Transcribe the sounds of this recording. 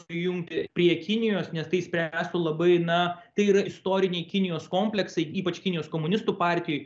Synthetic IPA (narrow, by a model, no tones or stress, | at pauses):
sʲjʊŋʲkt̪ʲɪpʲɾʲiɛkʲɪnʲɪjoːsnʲɛst̪ɐɪsʲpʲɾʲæːst̪ʊlˠɐbɐɪnɐt̪ɐɪiːɾɐɪst̪oːɾʲɪnʲɛɪkʲɪnʲɪjoːskoːmʲpʲlʲɛksɐɪiːpɐt͡ʃkʲɪnʲɪjoːskoːmʊnʲɪst̪uːpɑːɾʲt̪ʲɪjoːj